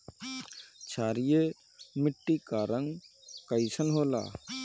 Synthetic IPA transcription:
t͡ʃʰaːɾije | mɪʈːikaɾəŋɡkəisənɦoːla̰ː

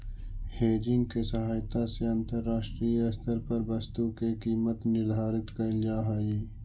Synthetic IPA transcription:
heːd͡ʒɪŋɡkesɐɦaːjt̪aseɐ̃nt̪əɾːaːʃʈɾiɐst̪əɾpɐɾbɐst̪ukekiːmət̪nɪɾd̪ʱaːɾɪt̪kɐld͡ʒaːɦaːeː

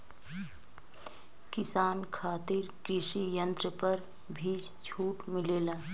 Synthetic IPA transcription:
kɪsaːnkʰaːt̪ɪɾkɾɪʃijə̃nt̪ɾəpəɾ | bʱiːd͡ʒ | t͡ʃʰuːʈmɪleːlaː

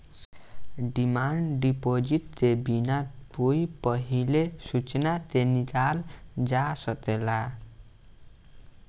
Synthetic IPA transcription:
ɖimaɳɖipod͡ziʈ̚t̪ebinapujpʌɦilesut͡snat̪enikald͡zasʌt̪ela

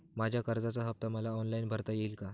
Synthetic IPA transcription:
mad͡ʑʱjakəɾd͡zat͡saɦəp̚t̪aməlaɔnlainbʱəɾt̪ajeilka

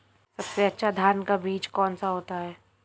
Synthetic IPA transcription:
sɐbseɐtːʃʰad̪ʱjaːnkabiːd͡ʒkɔːnsaɦoːt̪aɦɛː

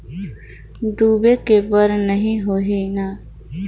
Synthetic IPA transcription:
ɖuːbekebəɾnəɦĩɦoːɦenaː

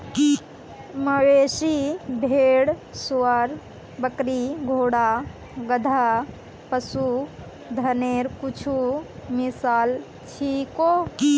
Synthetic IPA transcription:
ki | məɾeːʃibʱeeːɽsuwəɾ | bəkɾiɡʱoːɽa | ɡəd̪ʱa | pəsu | d̪ʱɐneɾkut͡ʃʰumisaːl | t͡ʃʰikoi

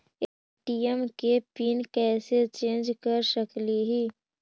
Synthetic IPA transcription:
e | ʈijəmkepiːnkɛːset͡ʃẽːnd͡ʒkəɾsəkliɦiː

